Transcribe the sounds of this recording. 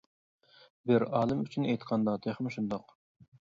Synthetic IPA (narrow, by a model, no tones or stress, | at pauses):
bɪɾɑːlˠɨmyt͡ʃʰynejt̪qʰɑnd̪ɑd̪eχmɪʃund̪oq